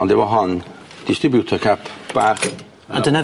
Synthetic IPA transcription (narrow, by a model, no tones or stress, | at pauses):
ɔndɛwɔɦɔnd̥ɪstrɪbjutʰɔkʰapʰb̥aχ | a̰dənɛ